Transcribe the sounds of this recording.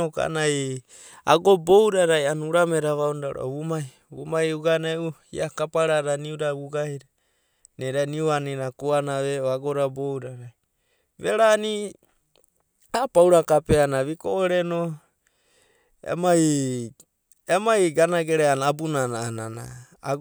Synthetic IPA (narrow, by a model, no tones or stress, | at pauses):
oka̰naj | a̰ɡobowɾaɾajanuɾameɾaβaundaɾo̰βumaj | βumajuɡanauḭakapaɾaɾaniuɾaβuɡahiɾa | neɾaniuaninakuanaβeoaɡoɾabowɾaɾaj | βeɾani | apawɾakapeanaβikoʔoɾeno | ḛmaj | emajɡanaɡeɾaanabunanaːnana̰